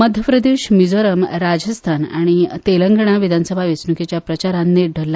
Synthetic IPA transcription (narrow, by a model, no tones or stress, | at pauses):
məd̪ʱjəpɾəd̪eɕmid͡zoɾəmɾad͡zəst̪ʰana̰ɽ̃it̪eləŋɡɳ̃aʋid̪ʱansəbʱaʋisnuket͡ɕjapɾət͡ɕaɾanːeɖʱəlːa